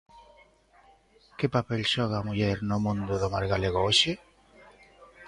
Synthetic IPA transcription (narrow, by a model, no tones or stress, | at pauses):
kepapelʃɔɣ̞aːmuʎɛɾnomũnd̪ʊðomaɾɣaleɣoʃe